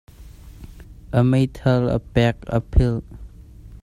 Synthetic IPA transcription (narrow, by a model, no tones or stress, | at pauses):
ʔəmejt̪ʰələ̰pɛk̚ə̰pʰɪl